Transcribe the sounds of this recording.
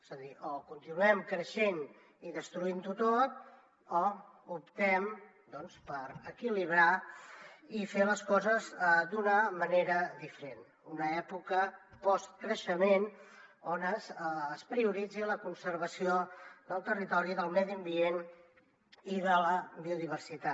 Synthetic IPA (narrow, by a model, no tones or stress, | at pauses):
ezəðiʔɔkunt̪inuɛmkɾəʃen | iðəst̪ɾuint̪ut̪ot̪̚ | ɔ | upt̪ɛm | d̪ɔnspəɾəkiliβ̞ɾa | ifeləskɔzəzd̪unəməneɾəðifəɾen | unəɛpukəpɔst̪̚kɾəʃəmenonəzːspɾiuɾid͡ziləkunsəɾβ̞əsioðəlˠt̪ərit̪ɔɾiðəlˠmɛðiəmbien | iðələβiuðiβ̞ərsit̪a